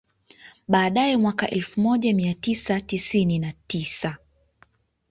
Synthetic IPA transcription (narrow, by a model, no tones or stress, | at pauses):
ɓaːɗajɛmwakaʔɛlfumɔʄamiatisatisininatisa